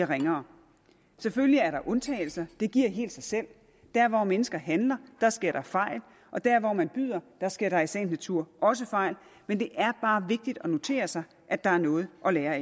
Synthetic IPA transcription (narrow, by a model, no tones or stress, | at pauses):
ʁeŋɐː | seføljiæɐɾɑ̈ʔɔ̽nt͡sʰɛ̰ːɪl̩sɐd̥e̝ɡ̥iɐ̰ɦe̝̰ːld̥sɑ̈ɪsel̰ | d̥æɐ̰ʋɒmenəsɡ̥ɐɦænlɐd̥ɑ̈sɡ̥e̝ɐɾ̥ɑ̈fɑ̈ɪ̰l | ʔɒ̽d̥æɐʋɒmænb̥y̰ð̰ˠɐd̥ɑ̈sɡ̥eɐ̰ɾ̥ɑ̈isen̥næt͡sʰuɐ̰ʔɒ̽s̬əfɑ̈ɪ̰lmend̥e̝ʔæɐb̥ɑ̈ːʋe̝ɡ̥̚d̥id̥ɒ̽no̝t͡sʰe̝̰ːɐsɑ̈ɪ | ʔæd̥ɑ̈æɐnɔ̽ːð̩ˠʔɒ̽leːɐe